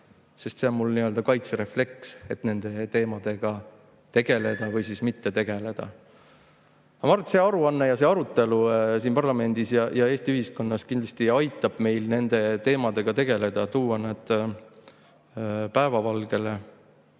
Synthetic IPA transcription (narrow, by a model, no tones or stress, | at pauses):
se̞st̪se̞onmulniøld̪̥ɑkɑjt̪seɾe̞fle̞kse̞t̪ne̞nd̪̥e̞t̪e̞ːmɑd̪̥e̞ɡ̥ɑ | t̪e̞ɡ̥e̞le̞d̪̥ɑvɯjsismit̪ːe̞t̪e̞ɡ̥e̞le̞d̪̥ɑ̰ | ɑmɑrt̪se̞ːɑɾuɑnːejɑse̞ɑɾut̪ːˑe̞lus̬iːnpɑrlɑme̞nd̪̥isjɑjɑe̞ːst̪iyhisko̞nːɑskind̪lɑst̪iɑjt̪ːˑɑb̥me̞jlne̞nd̪̥e̞t̪e̞ːmɑd̪̥e̞ɡ̥ɑt̪e̞ɡ̥e̞le̞d̪̥ɑt̪uːwɑnet̪ | pæe̞vɑvɑlɡ̥e̞le